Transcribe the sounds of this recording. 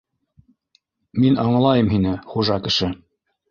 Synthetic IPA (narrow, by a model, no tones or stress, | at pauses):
minɑɴlˠɑjɤmɦinɘχuʒɑkɘ̆ʃɘ